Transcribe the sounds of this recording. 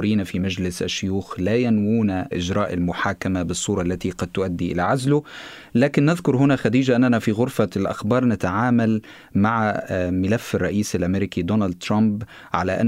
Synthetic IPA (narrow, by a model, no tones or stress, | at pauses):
ɾiːnafimad͡ʒlɪsʔaʃːʊjuːxlaːjanwuːnaʔɪd͡ʒɾˤɑːʔalmʊħaːkamabɨsˤːuːɾˤɑʔlːat̪iqɑd̪̚t̪ʊʔad̪ːiʔɪlaʕazlʊ | laːkɪnːɪðkʊɾˤɦʊnaxad̪iːd͡ʒaʔɪnːanafiːɣʊɾfalʔa̰xbɑːɾˤnɪt̪aʕaːmal | maʕamɪlafːɪrˤːɑʔiːsalʔameɾikid̪onald̪̚t̪ɾɑmb | ʕa̰laʔa̰n